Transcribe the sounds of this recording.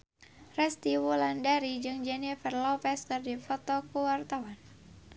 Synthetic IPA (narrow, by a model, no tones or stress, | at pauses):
rɛst̪iwulandaɾid͡ʒɨŋd͡ʒɛnifərlɔpɛst̪ərdifɔt̪ɔkuwart̪awan